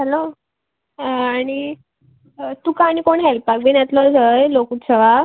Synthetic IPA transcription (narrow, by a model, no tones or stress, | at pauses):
hɛlo | aɽ̃i | t̪ukaɽ̃ikoɳɦɛlpbak̚biːnjat̪ləd͡zəjlokut̪səʋa